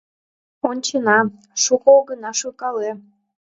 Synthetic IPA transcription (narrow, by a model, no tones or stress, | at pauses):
onʲt͡ɕənɑ | ʃukooɣənɑʃɯkɑle